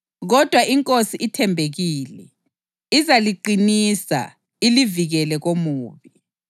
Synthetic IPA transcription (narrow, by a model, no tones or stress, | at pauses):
ɣɔd̥ʱwaʔiŋkʼosiʔitʰɛmbʱeɣiːlɛ | izaliǃinisa̰ | iliviɣɛlɛɣomuːβi